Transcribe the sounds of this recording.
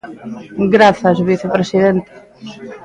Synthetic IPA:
ɡɾaθɐzβiθepɾesiðent̪e̥

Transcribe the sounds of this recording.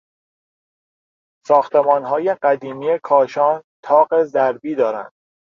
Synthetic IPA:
sɒːxt̪ʰemɒːnɦɒːje̞ɢæd̪iːmijekʰɒːʃɒːnt̪ʰɒːɢezæɾbiːd̪ɒːɾæ̰nd̪̥̚

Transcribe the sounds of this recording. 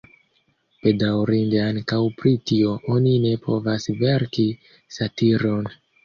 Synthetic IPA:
pe̞dawɾinde̞aŋkawpɾitio̞ʔo̞nine̞pʰo̞vasve̞ɾki | satiɾo̞n

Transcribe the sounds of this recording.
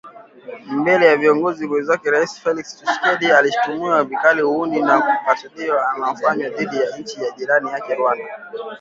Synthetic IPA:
mbɛlɛjaviɔŋɡɔziwɛzakɛɾaisi̥fɛlikst͡ʃiskɛɗialiʃu̥tumiavikalihuundinaumatuliɔamam̩faɲwaðiɗijaɲ̩t͡ʃijaʄiɾanijakɛɾwana

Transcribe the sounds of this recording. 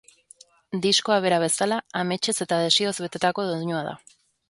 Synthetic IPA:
d̪isko̞aβ̞e̞ɾaβ̞e̞salaame̞t͡ʃe̞se̞t̪aðe̞sio̞zβe̞t̪e̞t̪ako̞ðoðɲuaða̰

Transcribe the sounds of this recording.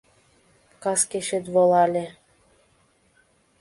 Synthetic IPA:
kɑskeʃĕt̪βolˠɑlʲĕ

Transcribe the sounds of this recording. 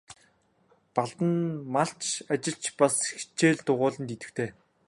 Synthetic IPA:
paɮt̪ə̆nmaɬt͡ɕat͡ɕɪ̆ɬt͡ɕpasxi̥t͡ɕeːɮt̪ʊʁʊːɮə̆nt̪it̪ɘ̆xt̪ʰeː

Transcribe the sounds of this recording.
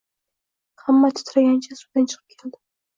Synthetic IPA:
hamːat̪ʰʊ̥t̪ʰɾaɡʲant͡ʃʰasud̪̥ant͡ʃʰɨ̥qʰɨp̚kʲʰeld̪ɪ

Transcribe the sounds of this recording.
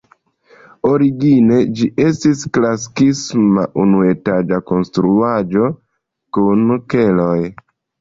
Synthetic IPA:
o̞ɾiɡine̞d͡ʒiʔe̞stisklasi̥kismaʔunue̞tad͡ʒako̞nstɾuad͡ʒo̞ | kunke̞loj

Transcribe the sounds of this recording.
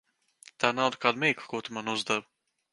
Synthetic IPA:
t̪aːnawd̪kaːd̪umiːklˠkuɔt̪umanuzd̪ɛv

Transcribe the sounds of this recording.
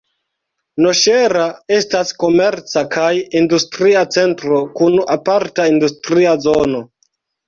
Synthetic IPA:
no̞ʃe̞ɾae̞stasko̞me̞ɾt͡sakajindustɾiat͡se̞ntɾo̞kunapaɾtaindustɾiazo̞no̞

